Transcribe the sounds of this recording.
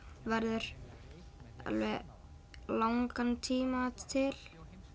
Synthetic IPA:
vɛɾðʏɾ̥ | a̰lvɛ | laŋkant̪ʰiːmat̪ʰɪl̥

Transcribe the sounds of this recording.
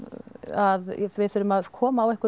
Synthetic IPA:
aðθvɪθʏɾʏmaðkʰɔːmaːwɛhkʏ

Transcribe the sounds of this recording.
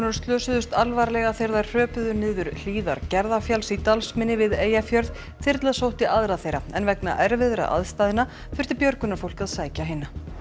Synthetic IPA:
nʏɾ̥st̪lœːsʏðʏst̪alvaɾlɛɣaθeɾðḁr̥œːpʏðʏnɪːðʏɾl̥iːða̰ɾcɛɾðafjalsit̪alsmɪnːɪvɪðeːjafjœɾð | θɪɾt̪lasowht̪ɪʔaðɾaθejɾaɛ̰nvɛkna̰ʔɛɾvɪðɾa̰ʔa̰ðst̪aːðɪna | fʏr̥t̪ɪpjœɾkʏnafowl̥kaðsaːjcaɦɪnːa

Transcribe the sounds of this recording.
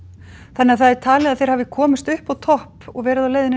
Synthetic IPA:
θanːɪaðθaðɛɾ̥t̪ʰaːlɛaðθejɾ̥havɪkʰɔːmɪst̪ʏhpawt̪ʰɔhpɔɣvɛːɾɪðawleːjðɪn

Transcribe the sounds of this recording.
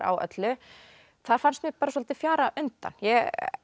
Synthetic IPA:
a̰wœ̰t̪lʏ | θaɾ̥fanst̪mɪɣpaːɾasɔlat̪ɪfjaːɾaʔʏnt̪a̰njɛ

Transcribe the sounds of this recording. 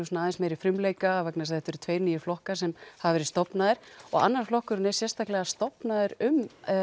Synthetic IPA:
usnaːðɪnsmejɾɪfɾɪmleːjkavɛknas̬θɛht̪ɛɾʏt̪ʰveːjɾniːjɪɾflɔhkasɛmhavvɛɾɪst̪ɔpnaðɪɾ̥ɔɣa̰nːaɾ̥flɔhkʏɾʏnɛ̥sjɛrst̪ʰaklɛɣast̪ɔpnaðɪɾʏm

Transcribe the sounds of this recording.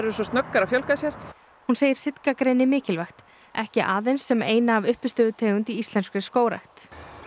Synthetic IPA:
ɾɛɾsɔst̪nœkːaɾafjœlkasjɛɾ̥ | hunseːjɪɾ̥sɪt̪kakɾeːjnɪmɪːcɪlvajxt̪ | ɛhcɪʔaːðejnsːɛmeːjnaːvʏhpʏst̪ʏːðʏt̪ʰeːjɣʏnt̪iist̪ɛnskɾɪskoːwɾa̰jxt̪

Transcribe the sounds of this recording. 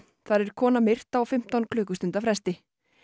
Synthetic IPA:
θaɾɛɾ̥kʰɔːnamɪr̥t̪aɔfɪm̥t̪awnkʰlʏːkʏst̪ʏnt̪afɾɛst̪ɪ

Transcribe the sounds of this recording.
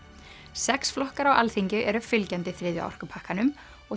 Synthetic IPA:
sɛksflɔhkaɾawʔa̰lθiɲcʏʔɛɾʏfɪlcɛnt̪ɪθɾɪːðjʏ̰ɔ̰r̥kʏpʰahkanʏm | ɔɣ

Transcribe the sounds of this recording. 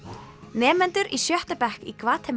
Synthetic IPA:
nɛːmɛnt̪ʏɾʔisjœht̪apɛhkikʰvaːt̪ʰɛm

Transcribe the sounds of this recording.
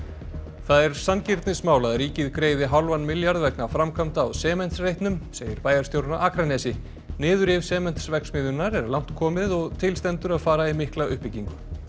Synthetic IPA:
θaðɛɾ̥sancɪɾt̪nɪsmaːwlaðɾiːcɪðkɾeːjðɪɦawlvanːmɪljaɾðvɛknafɾamkʰam̥t̪ːwsɛːmɛnt̪srejht̪nʏmseːjɪɾpaːjaɾst̪jowɾʏnaʔaːkɾanɛsɪ | nɪːðʏɾɪvsɛːmɛn̥t̪svɛksmɪðʏnːaɾɛɾlawn̥t̪kʰɔːmɪðɔɣt̪ʰɪlst̪ɛnt̪ʏɾaðfaːɾaimɪhklaʏhpɪciŋkʏ

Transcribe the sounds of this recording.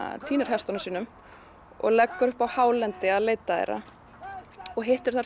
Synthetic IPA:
t̪ʰiːnʏɾ̥ɦɛst̪ɔnasiːnʏm | ɔ̰ɣlɛkːʏɾpawhaːwlɛnt̪ɪaðleːjt̪aḛɾa̰ | ɔɣɦejht̪ɪɾ̥θaɾ

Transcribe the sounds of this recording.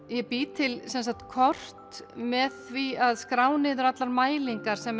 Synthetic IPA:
jɛpiːt̪ʰɪlsɛnsakt̪kʰɔr̥t̪mɛðθviaðskɾaːwnɪðʏɾat̪laɾmaːjliŋkaɾ̥sɛm

